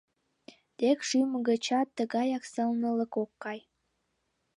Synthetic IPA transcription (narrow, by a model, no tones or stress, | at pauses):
d̪̥ekʃyməɣət͡ɕɑt̪ːəɣɑjɑksə̆lnə̆lə̆kokːɑj